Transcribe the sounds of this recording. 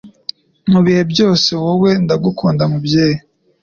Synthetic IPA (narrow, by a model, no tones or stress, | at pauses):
muβihe̞bjo̞ːse̞wowe̞ndaɡukʰuːndamubjeːje